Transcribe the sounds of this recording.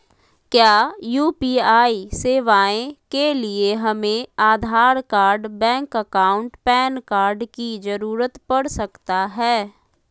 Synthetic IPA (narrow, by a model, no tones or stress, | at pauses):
kjaːjuːpiːaːiseːʋaːẽkelieɦɐmẽaːd̪ʱaːɾkaːɾɖbɛ̃ːŋkəkaːʊ̃ɳʈpɛːnkaːɾɖkid͡ʒəɾuːɾət̪pəɽsəkt̪aɦɛː